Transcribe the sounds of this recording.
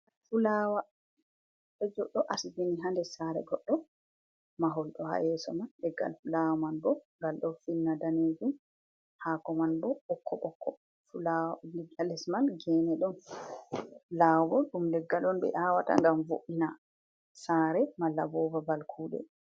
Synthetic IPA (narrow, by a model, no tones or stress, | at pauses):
fulaːwa | bɛd͡ʒɔɗːɔʔasid͡ʒiniɦandɛsaɾɛ̰ɡɔɗːɔ | maɦɔlɗɔha̰jɛːsɔmanɗɛɡːa̰lfulawmanbɔŋɡalɗɔfinːadaneːd͡ʒun | haːkɔmanbɔɓɔkʰːɔʔɔkːɔ | fulawabiɡalɛsmanɡɛːnɛɗɔn | laːbɔɗumlɛɡːalɔnbɛ̰ʔaːwata̰ŋɡamvo̰ʔina | saːɾɛmalːabɔːvabalkʰuːɗɛ̰